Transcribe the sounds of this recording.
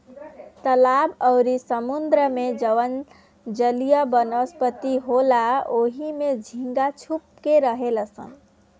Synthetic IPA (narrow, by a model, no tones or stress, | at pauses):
t̪əlabəwɾisəmund̪ɾəmed͡ʒəʋən | d͡ʒəlijəbənəspət̪iɦolaoɦimed͡ʒʱĩŋɡat͡ʃʰup̚keɾəɦeləsə̰n